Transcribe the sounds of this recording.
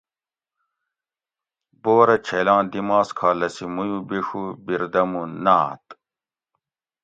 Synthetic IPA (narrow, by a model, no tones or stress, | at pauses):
boːɾɐt͡ɕʰelãːd̪imaːskʰaːlɐsimujubiʂubiɾd̪ɐmunaːt̪